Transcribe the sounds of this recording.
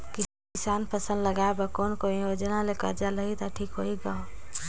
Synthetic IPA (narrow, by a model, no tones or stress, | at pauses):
ki | ɪsaːnpəsə̃nd̪ləɡaebəkoːnkoijod͡ʒənalekə̰ɾd͡ʒaləɦit̪aʈʰiːkɦoiɡao